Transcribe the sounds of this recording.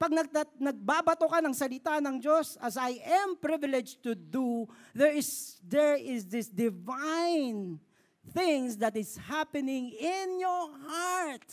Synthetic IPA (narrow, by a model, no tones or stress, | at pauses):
pɐɡ̚nɐɡ̚t̪anɐɡ̚babɐt̪okɐnɐŋsɐlɪt̪anɐŋd͡ʒosɐsajʔɛmpɹɪvɪlɛd͡ʒt̪ud̪uðɛɹɪsd̪ɛɹɪsd̪ɪsd̪ɪvãjn | θɪ̃ŋsd̪ɐt̪ɪshapɛnɪ̃ŋɪnjɔɹhaɹt̪̚